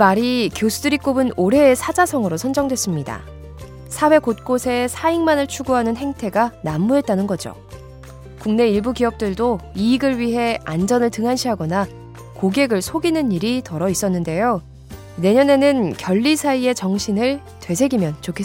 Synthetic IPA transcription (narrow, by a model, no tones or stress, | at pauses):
imaɾikjosʰudɯɾik͈obɯnoɾɦe̞ːsʰad͡ʑasʰʌŋɯɾosʰʌnd͡ʑʌŋdwe̞s͈ɯmɲida̰ | sʰawe̞kot̚k͈osʰe̞sʰaiŋmanɯɭt͡ɕʰuɡoɦanɯnɦe̞ŋtʰe̞ɡanamːuɦe̞t̚t͈anɯnɡʌd͡ʑo̰ | kuŋne̞iɭbuɡiʌp̚t͈ɯɭdoiːɡɯɭɥiɦe̞and͡ʑʌnɯɭtɯŋɦanɕʰiɦaɡʌna | koɡe̞ɡɯɭsʰoɡinɯɲːiɾitʌɾʌis͈ʌnːɯnde̞jo | ne̞ɲʌne̞nɯnkjʌʎːisʰaie̞t͡ɕʌŋɕʰinɯɭ | twe̞sʰe̞ɡimjʌnt͡ɕokʰes